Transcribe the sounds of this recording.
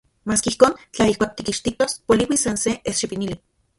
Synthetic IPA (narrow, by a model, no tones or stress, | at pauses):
maːskeihkoːnt͡ɬaihkʷaːk̚t̪ikiʃt̪it̪ospoliwisanseʔesʃipinili